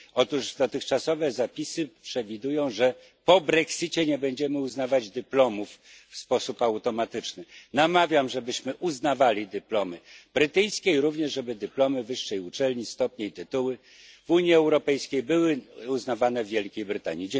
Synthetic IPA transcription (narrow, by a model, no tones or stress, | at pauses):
ɔt̪uʐd̪ɔt̪ɘxt͡ʂasɔvɛzapʲisɘpʂɛvʲid̪ujɔ̃w̃ʐɛ | pɔbɾɛksit͡ɕɛɲɛbɛɲd͡ʑɛmɘuznavad͡ʑd̪ɘplɔmuf | fspɔsupawt̪ɔmat̪ɘt͡ʂnɘnamavʲjamʐɛbɘɕmɘʔuznavalʲid̪ɘplɔmɘb̥ɾɘt̪ɘjskʲeiɾuvɲɛʐʐɛbɘd̪ɘplɔmɘvɘʂːɛjut͡ʂɛlɲist̪ɔpɲeit̪ɘt̪uwɘ | vuɲjiɛwɾɔpɛjskʲejbɘwɘuznavanɛvːjɛlkʲejbɾɘt̪a̰ɲid͡ʑ